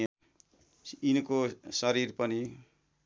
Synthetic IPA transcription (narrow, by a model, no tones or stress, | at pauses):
inʌkosʌɾiɾpʌni